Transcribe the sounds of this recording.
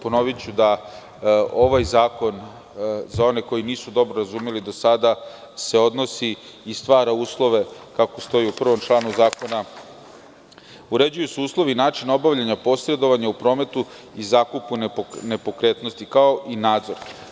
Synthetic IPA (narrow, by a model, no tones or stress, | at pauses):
po̞no̞ʋit͡ɕud̪a | o̞ʋajzaːko̞n | zao̞ne̞ko̞jiniːsud̪o̞bɾoɾazuːmelid̪o̞sad̪a | se̞o̞d̪no̞siː | st̪ʋaːɾauːslˠo̞ʋe̞kako̞st̪o̞jiupr̩ʋo̞mt͡ʃlˠaːnuzaːko̞na | uɾe̞d͡ʑujusuuːslˠo̞ʋinaːt͡ʃino̞baʋʎaɲapo̞sɾe̞d̪o̞ʋaɲaupɾo̞ːme̞t̪u | izaːkupunnepo̞kɾet̪no̞st̪ikao̞ʔinaːd̪zo̞ɾ